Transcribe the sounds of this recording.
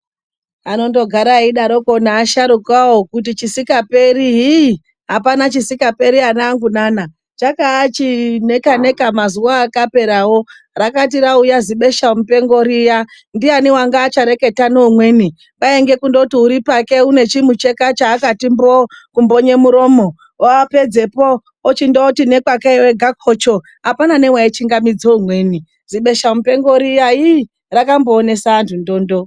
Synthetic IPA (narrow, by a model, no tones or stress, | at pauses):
ano̞ndo̞ɡʱaɾaiɗaɾo̞konaːʃaɾukawokut̬it͡ʃisikape̞riɦi | ɦapanat͡ʃisikape̞ɾianaːŋɡunana | t͡ʃakaːt͡ʃine̞kane̞kamazuwaːkape̞ɾawo̞ | rakat̬iɾaujaziɓe̞ʃaom̩upe̞ŋɡo̞ɾija | ndianiwaŋɡaːt͡ʃaɾe̞ke̞tanoumwe̞ːni | paeŋɡe̞kundoutiuɾipake̞une̞t͡ʃimut͡ʃe̞kat͡ʃaːkatimbokumbo̞ɲe̞muɾo̞ːmo | oape̞d͡ze̞po | ot͡ʃindotine̞kwakeeweɡʱakʰot͡ʃo̞ | apanane̞waet͡ʃiŋɡamid͡zoumwe̞ni | ziɓe̞ʃamupe̞ŋɡo̞ɾijai | rakambo̞ːne̞saːntʰundoːndo